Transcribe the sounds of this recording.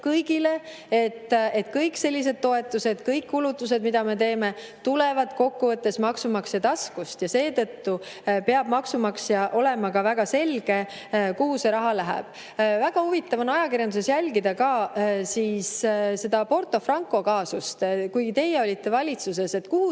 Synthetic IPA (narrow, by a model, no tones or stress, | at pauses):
kɤjɡile̞ | et̪ːˑe̞t̪kɤjkse̞lʲːis̬e̞d̥̪̚t̪o̞e̞t̪ːˑuse̞d̪̥kɤjkːulut̪ːˑus̬e̞d̪mid̪̥ɑme̞t̪e̞ːme̞ | t̪ule̞vɑd̪̥ko̞kːuvɤt̪ːe̞smɑksumɑksjɑt̪ɑskust̪jɑse̞ːt̪ɤt̪ːu | pe̞ɑb̥mɑksumɑksjɑʔo̞le̞mɑkɑvæɡ̥ɑse̞lɡ̥e̞ | kuɦuse̞ɾɑɦɑlæɦæ̰b̥ | væɡ̥ɑhuvit̪ːɑvonɑjɑkirjɑnd̪us̬e̞sjælʲɡid̪ɑkɑːsiːsse̞d̪ɑpo̞rt̪o̞frɑŋkːˑo̞kɑːsust̪kujɡit̪e̞jeo̞lʲit̪ːe̞vɑlʲit̪sus̬e̞se̞t̪kuhu